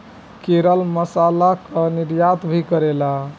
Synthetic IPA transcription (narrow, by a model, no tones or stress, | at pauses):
keɾəlməsalakəniɾjat̪bʱikəɾela